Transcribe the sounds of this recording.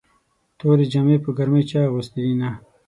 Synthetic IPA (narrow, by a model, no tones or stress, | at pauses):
t̪oɾed͡ʒamepəɡaɾmejt͡ʃɑɣust̪id̪ina